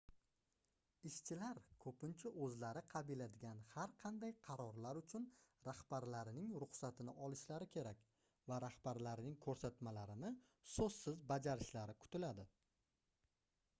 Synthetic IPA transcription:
ɪʃt͡ʃʰɪlaɾkʰɵpɪnt͡ʃʰaʔɵzlaɾɪqʰɑbɪlad̪ɪɡʲanhaɾqʰɑnd̪ajqʰɑɾɒɾlaɾʊt͡ʃʰʊnɾahb̥aɾlaɾɪnɪŋɾʊχsat̪ʰɪnɪʔɒlɪʃlaɾɪkʲʰe̞ɾakʲ | vaɾahbaɾlaɾnɪŋkʰɵɾsat̪malaɾɪnɪ | sɵsːɪzbad͡ʒaɾɪʃlaɾɪkʰʊ̥t̪ɪlad̪ɪ

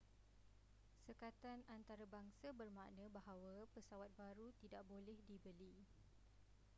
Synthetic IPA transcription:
səkat̪anant̪aɾabaŋsabərmaʔnə̃baɦawapəsawat̪̚baɾut̪idaʔbolɛhdibəli

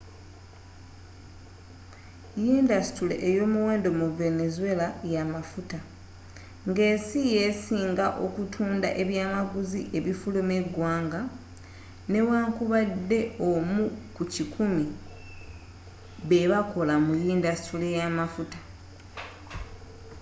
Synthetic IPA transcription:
jiːndasi̥tulḛʔːjo̞ːmuweːndo̞muve̞ne̞zuwe̞lajamafuta | ŋɡeːsije̞siːŋɡaʔo̞kutʰuːndaʔe̞βjaːmaɡuziʔe̞βifulume̞ɡwaːŋɡa | ne̞waːŋkuβadːe̞ʔo̞mukucikʰumi | βe̞βako̞lamujiːndasi̥tule̞jamafutḁ

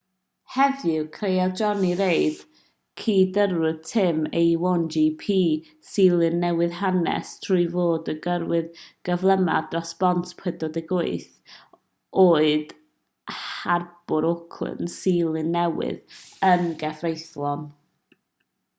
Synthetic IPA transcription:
hɛvɨkʰrejɛd͡ʒɔniɾeɨd̥ | kʰiːdəɾwʊðtʰɪmejwɔnd͡ʒipʰiː | siːlˠɨnːɛwɨðɦanɛ̰stʰr̥uʊjvoːdəɡəɾwɨðɡ̥əvlˠəma̰drɔsb̥ɔntʰpʰwɛdɔdɪɡʊɨθ | ʔoːɨd̥ | harb̥ʊɾɔkʰlɨ̰nsiːlˠɨnːɛwɪ̰ðənɡɛvrejθlˠɔn

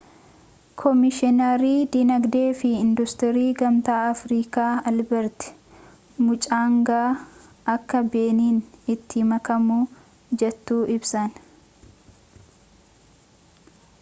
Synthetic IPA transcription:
kʰɔmɪʃɪnɐɾiːd̪inɐɡd̪eːfɪɪnd̪ʊst̪ɪɾiːɡɐmt̪aːɐfɾiːkaːɐlbɐɾt̪ɪ̥ | mʊt͡ʃʼaːŋɡaː | ɐkːɐbe̞ːniːnɪt̪ːɪmɐkɐmuː | d͡ʒɛt̪ːuːʔɪbsɐn

